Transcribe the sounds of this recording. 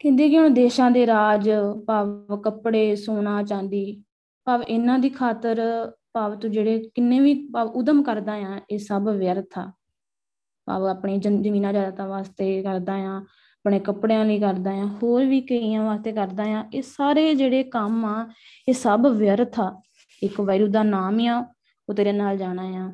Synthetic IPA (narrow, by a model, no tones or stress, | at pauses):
kɛ̃nd̪eːkɪõːd̪eːʃãːd̪eːɾaːd͡ʒpaːʋkəpɽeːsoːnãːt͡ʃãːnd̪iː | paːʋɪnãːd̪iːkʰaːt̪əɾpaːʋt̪õːd͡ʒeːɽeːkɪnːẽːʋiːpaːʊd̪əmkəɾd̪ãːjãːeːsəbʋɪjəɾət̪ʰa̰ː | pa̰ːbaːpɳẽːd͡ʒd͡ʒəmiːnãːd͡ʒaːd̪aːt̪ãːʋaːst̪eːkəɾd̪ãːjãː | apɽeːkəpɽeːãːləiːkəɾd̪ãːjãːɦoːɾʋiːkəijãːʋaːst̪eːkəɾd̪aːjãːeːsaːɾeːd͡ʒeːɽeːkəmaː | eːsəbʋɪjəɾt̪ʰaː | ɪkʋəːɾuːd̪aːnaːmeːãː | ot̪eːɾeːnaːld͡ʒaːɽ̃ãːjãː